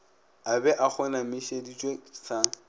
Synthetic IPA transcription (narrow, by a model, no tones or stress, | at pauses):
abɛʔak͡xʰʊnamɪʃedit͡ʃʼwesa